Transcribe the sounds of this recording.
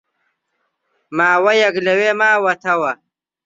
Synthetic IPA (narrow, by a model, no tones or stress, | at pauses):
maːwɐjɐɡlɐweːmaːwɐt̪ʰɐwɐ